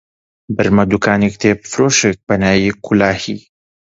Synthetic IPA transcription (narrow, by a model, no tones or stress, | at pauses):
bɨɾmɐd̪ukaːnik̚t̪ʰebfɾoːʃek̚bɐnaːjikʰulaːhḭ